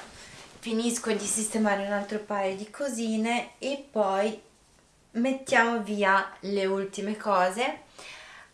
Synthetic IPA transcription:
finiskod̪isist̪emaːɾeunalt̪ɾopaːjod̪ikʰoziːneːpːɔj | met̪ːjaːmoviːaleult̪imekɔːze

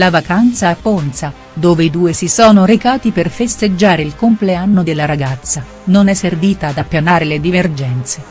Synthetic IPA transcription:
lavakant̪saapːont̪sa | d̪oːveid̪uːesisɔːnoɾekaːt̪iperfest̪ed͡ʒːaːɾeilkompleanːod̪elːaɾaɡat̪sːa | nonɛsːerviːt̪aːd̪apːjanaːɾeled̪iverd͡ʒɛnt̪se

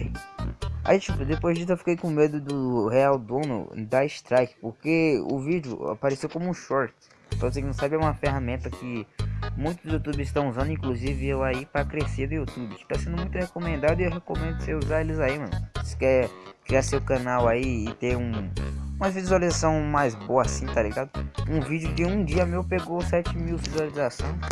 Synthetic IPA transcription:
a̰it͡ʃipʊd̪epojzd͡ʒis̬ʊewfi̥kejkõmed̪ʊd̪ʊheawd̪õnʊ̰d̪aɪʃt̪ɾajkɪ̥poɾkeʊ̰vid͡ʒɪʊ̰a̰paɾesewkõmʊũʃɔɾt͡ʃ | t̪õsẽknɐ̃sabɪɛũmɐfeɦamẽnt̪ɐkɪmũj̃t̪ʊzd̪ʊzjut̪ubɪɪst̪ɐ̃w̃uzɐ̃nd̪ʊĩkluzivɪewaipɾɐkɾesed̪ʊjut̪ubɪkɪ̥t̪asẽnd̪ʊmũj̃t̪ʊhekõmẽnd̪ad̪ʊɪewɦekõmẽnd̪ʊseuzaelɪzaimɐ̰̃nse̥kɛɾkɾiasewkɐ̃nawaiɪt̪eɾũũmɐvizualizasɐ̃w̃majzboɐasĩt̪aliɡad̪ʊũvid͡ʒɪʊd͡ʒɪũd͡ʒiɐmewpeɡosɛt͡ʃɪmiwvizualizasõw̃s

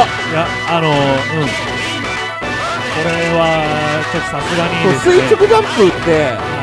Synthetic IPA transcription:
jaː | no̞ɯ̟̃ɴ | ko̞ɾe̞βa | t͡ɕo̞t̪ːo̥sasɨɡaɲioːsɨit͡ɕokɯ̟d̪ãmpɯt̪ːe̞

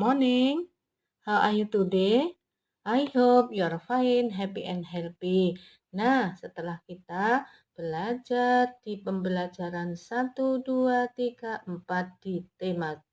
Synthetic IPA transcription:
mɔnɪŋ | haʔajut̪ude | ʔajhop̚jɔɾfaɪnɦɛpiʔɛnɦɛlpi | nahsət̪əlahkit̪a | b̥əlad͡ʒard̥ipəmbəlad͡ʒaɾansat̪uduat̪iɡaʔəmpat̪̚d̥it̪ema

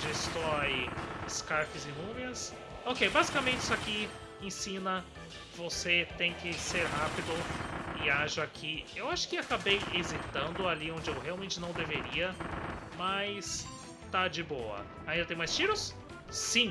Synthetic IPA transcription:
d͡ʒɪst̪ɔjɪskaɾkɪzɪmũmɪɐs | okejbazikamẽnt͡ʃɪisʊaki | ẽsĩnɐ | voset̪ẽj̃kɪseɾɦapid̪ʊɪaʒɐakʰiewaʃʊ̥kɪakabejezit̪ɐ̃nd̪ʊaliõnd͡ʒɪewɦealwmẽnt͡ʃɪnɐ̃w̃d̪eveɾiɐmɐjs | t̪ad͡ʒɪbowɐ̰ | aĩd̪ɐt̪ẽj̃majst͡ʃiɾʊsː | ĩ

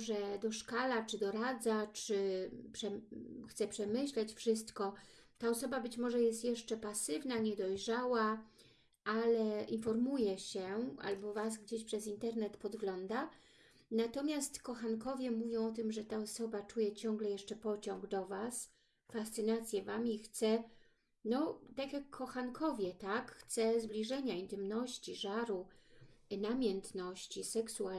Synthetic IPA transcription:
ʐɛd̪ɔʂkalat͡ʂɘd̪ɔɾad̪zat͡ʂɘpʂɛxt̪sɛpʂɛmɘɕlɛt͡ɕfʂɘst̪kɔt̪aɔsɔbabɘt͡ɕmɔʐɛjɛst̪jɛʂt͡ʂɛpasɘvnaɲɛd̪ɔjʐawa | alɛʔinfɔɾmujɛɕɛʔa̰lbɔvasɡd͡ʑeɕpʂɛzint̪ɛɾnɛt̪pɔd̪ɡlɔnd̪a | nat̪ɔmʲjast̪kɔxankɔvʲjɛmuvʲjɔ̃w̃ɔt̪ɘmʐɛt̪aɔsɔbat͡ʂujɛt͡ɕɔ̃ŋɡlɛjɛʂt͡ʂɛpɔt͡ɕɔ̃ŋɡd̪ɔvas | fast̪sɨnat̪sʲjɛvamixt̪sɛ | nɔt̪akjakʰːɔxankʰɔvʲjɛt̪akxt̪sɛzblʲiʐɛɲaint̪ɘmnɔɕt͡ɕiʐaɾu | namʲjɛnt̪nɔɕt͡ɕisɛksua

